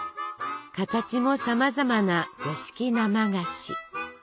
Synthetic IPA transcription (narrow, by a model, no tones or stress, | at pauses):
kat̪at͡ɕimo̞samazamanaɡoɕi̥kʲinamaɡaɕḭ